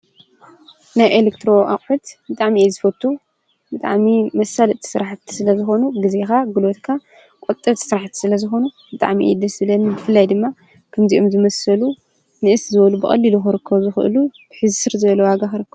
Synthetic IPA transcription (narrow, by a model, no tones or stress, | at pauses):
najʔelekt̪ʰɾo̞ʔa̰χʼħut̪bɨt̪ʼaʕmiʔezɨfɐt̪ʰːu | bɨt̪ʼa̰ʕmimɐsːalɐt̪ʰi̥sɨɾaħt̪ʰːi̥sɨlɐzɨxo̞nuɡɨzexaɡɨlot̪kʰa | kʼot̪ʼːɐt̪sɨɾaħt̪ʰi̥sɨlɐzɨxo̞nu | bɨt̪ʼa̰ʕmiʔḛd̪ɐsɨlɐnɨbɨfɨlːajd̪ɨmːa | kʰɐmziʔomzɨmɐsɐlu | nɨʔɨszɨβɐlubɨɐ̰lːiluxɨɾɨkʰːɐβzɨxɨ̰ʔɨ̰lub̥ɨħɨzsɨɾzɐβlːowaɡaxɨɾɨkːɐβ